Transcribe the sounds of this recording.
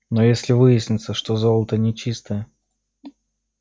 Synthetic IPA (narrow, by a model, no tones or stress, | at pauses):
nojesʲlʲɪvɨjɪsʲnʲɪt̪səʂt̪o̞zolˠət̪ənʲɪt͡ɕist̪əjə